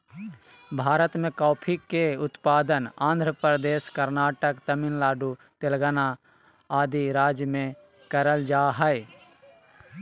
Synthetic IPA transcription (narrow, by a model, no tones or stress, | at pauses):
bʱaːɾət̪mẽkaːpʰikːeʊt̪paːd̪ənãːnd̪ʱɾəpɾəd̪eːskəɾnaːʈəkt̪əmɪnlaːɖu | t̪elɡəna | aːd̪iɾaːd͡ʒjmẽ | kəɾəld͡ʒaːɦəj